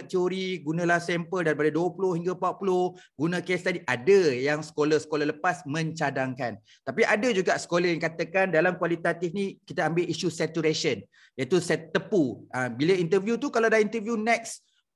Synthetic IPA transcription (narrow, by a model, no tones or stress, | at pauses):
t̪ioɾiɡunãlahsɛmpəldaɾipadaduəpulohiŋɡapapulohɡunãkest̪adiʔadəjaŋsə̥koləsə̥kolələpasmə̃ɲt͡ʃadaŋkan | t̪apiʔadəd͡ʒuɡaʔsə̥koləjãŋkat̪əkandalamkwalit̪at̪ifnĩkit̪aambeʔiʃusɛt̪uɾeʃən | jat̪usɛt̪ːəpuabiləint̪əvjut̪ukaladaint̪əvjunɛk̚s